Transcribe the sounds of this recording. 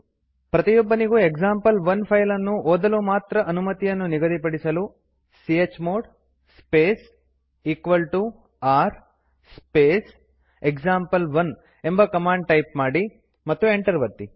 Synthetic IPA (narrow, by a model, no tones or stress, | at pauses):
pɾɐt̪ijobːɐniɡueɡsaːmpɐlʋɐnpʰɐjlɐnːuʔoːd̪ɐlumaːt̪ɾɐʔɐnumɐt̪ijɐnːuniɡɐd̪ipɐɽisɐlu | siet͡ʃːmoːɖ | speːs | iːkʋɐlʈu | aːɾ | speːs | ekd͡ʒaːmpɐlʋɐn | e̞mbɐkɐmaːɳɖ̚ʈɐjpmaːɽi | mɐt̪ːueɳʈɐɾʋɐt̪ːi